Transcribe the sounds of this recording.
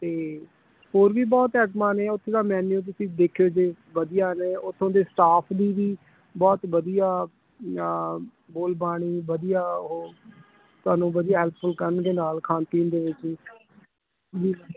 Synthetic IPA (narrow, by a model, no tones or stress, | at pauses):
t̪eː | ɦoːɾʋiːbɔːt̪ɛːʈmaːnẽːʊt̪ʰːeːd̪aːmɛ̃ːnjõːt̪̬ʊsĩːd̪eːkʰjoːd͡ʒeː | ʋəd̪ijaːneːʔʊt̪ʰːõːd̪eːst̪aːpʰd̪iːʋiː | bɔːt̪ʋəd̪ijaː | boːlbaːɽ̃iːʋəd̪ijaːʊɦoː | t̪ʊaːnũːʋəd̪ɪijaːɦɛlp̚ʰfʰʊlkəɾənd̪eːnaːlkʰãːnt̪iːnd̪eːʋɪt͡ʃː | d͡ʒiː